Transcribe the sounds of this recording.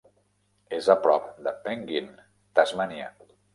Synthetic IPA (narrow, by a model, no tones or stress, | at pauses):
ezəpɾɔp̚d̪əpɛŋɡin | t̪azmaniə̰